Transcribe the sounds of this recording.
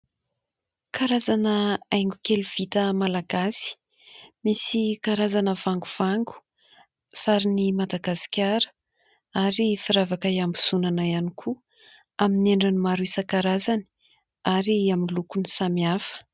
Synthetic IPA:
kaɾazanəajŋɡukeluv̥it̪əmalaɡasi̥ | misikaɾazanəv̥aŋɡuv̥aŋɡu̥ | saɾinimad̪aɡasi̥kʲaɾə̥ | aɾifiɾavakajambusunanaianikʰu | amineɳɖ͡ʐinimaɾuisəkaɾazani̥ | aɾiamilukunisamiafə̥

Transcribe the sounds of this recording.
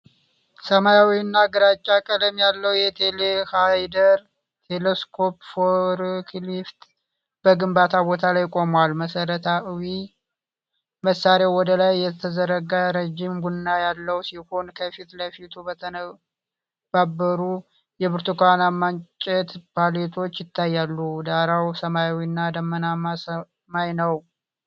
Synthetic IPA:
səmajawiɨnːaɡəɾat͡ʃʼːakʼələmjalːəwjɛt̪ʰelehajd̪əɾ | t̪ʰeleskʰopfoɾkʰlift̪ | b̥əɡɨmbat̪ʰabo̞t̪ʰalajkʼo̞mwalməsəɾət̪ʰawi | məsːaɾeawwɔd̪əlajːɛt̪ʰəzəɾəɡaɾed͡ʒːimɡunːajalːəwsiho̞nkʰəfit̪ləfit̪ʰubət̪ʰənə | babːəɾu | jɛbɨɾt̪ʰukʷanamːant͡ʃʼɛt̪balet̪ʰo̞t͡ʃːjɪt̪ʰːajːalːud̪aɾawsəmajawinːad̪əmːənamasə | majnəw

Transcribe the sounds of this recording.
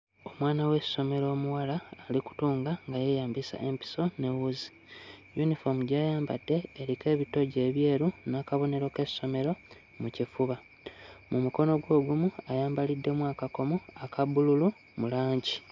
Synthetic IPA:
o̞mwaːnawe̞so̞me̞ɾo̞ːmuwalaːliku̥tuːŋɡaŋɡajejaːmbisa̰ʔempi̥so̞ne̞wuzi̥ | junifomuɟajaːmba̰d̥ːe̞ːɾike̞ːβito̞ɟe̞ːβje̞ːɾunakaβo̞ne̞ɾo̞ke̞so̞me̞ɾo̞ | mucifuβa | mʔumuko̞no̞ɡwo̞ːɡumuajaːmbalidːe̞mwakako̞muakʰaβululu | mulaːɲɟi

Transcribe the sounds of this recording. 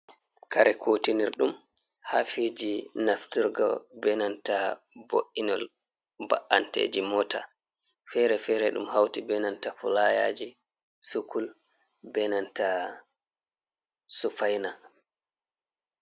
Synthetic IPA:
kaɾʔɛkʰotiniɾɗum | hafid͡ʒinaftuɾɡɔ̰bɛnanta | bo̰ʔinɔl | ba̰ʔantḛːd͡ʒimɔta | fɛɾɛfɛɾɛɗumhawtibɛnantafulaja̰ːd͡ʒi | sukul | bɛnanta | sufajna

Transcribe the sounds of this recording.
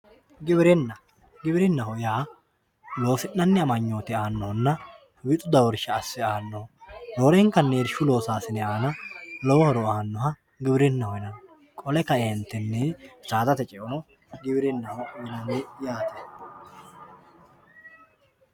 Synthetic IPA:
ɡɪbɪɾɪnːɐ | ɡɪbɪɾɪnːɐhɔjaː | lo̞ːfɪnːɐnːɪɐmɐɲːoːt̪ɪaːnːɔhɔnːɐ | wɪt̪ʼʊd̪ɐwɔɾʃɐːsːɪaːnːɔdoːɾɛŋkːɐnːeːɾʃʊlo̞ːsaːsɪnɛaːnɐlɔwɔhɔɾɔaːnːɔɦɐ | ɡɪbɪɾɪnːɐhɔjnɐ | kʼɔlɛkɐɛnt̪ːɪnːɛt͡ʃaːt̪ɐt̪ɛt͡ʃʼɛʔɔnɔ | ɡɪbɪɾɪnːɐhɔwɪlɐnːɛjaːt̪ɛ̥

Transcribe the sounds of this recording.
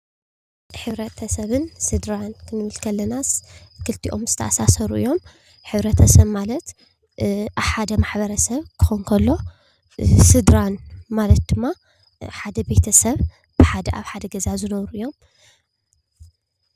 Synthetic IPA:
ħɨβɾɐt̪ʰɐsɐβɨnsɨd̪ɾankʰɨnɨβɨlkʰɐlːɐnaskʰɨlt̪ʰiʔo̞mzɨt̪ʰɐʔasasɐɾuʔɨ̰jːo̞m | ħɨβɾɐt̪ʰɐsɐβmalɐt̪ | ʔaβħad̪ɐmaħbɐɾɐsɐβkʰɨ̥xonkʰɐlːo̞ | sɨd̪ɾanmalɐt̪̚d̪ɨmːa | ħad̪ɐbe̞t̪ʰɐsɐβ | b̥ɨħad̪ɐʔaβħad̪ɐɡɐzazɨnɐβɾuʔɨjːo̞m

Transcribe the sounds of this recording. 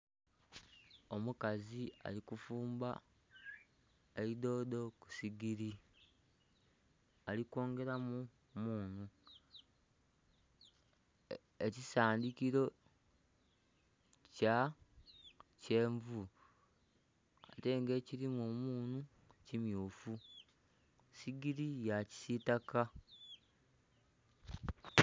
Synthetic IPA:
o̞mukazia̰likufuːmba | eɾido̞ːdo̞ku̥siɡiɾi | aliko̞ːŋɡe̞ɾamu | muːnu | ecisaːndikiɾo̞ | ca | ce̞ːɱvu | a̰te̞ŋɡe̞ːciɾimomuːnu | cimjuːfu | siɡiɾijaci̥sitaka

